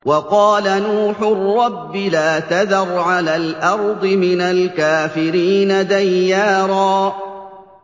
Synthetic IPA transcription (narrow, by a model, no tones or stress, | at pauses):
wɑqɑːlanuːħʊrːɑbːɪlaːt̪aðɑɾˤʕalaːlʔɑɾˤd̪ˤɨmɪnalkaːfɪɾiːnad̪ajːaːɾˤɑː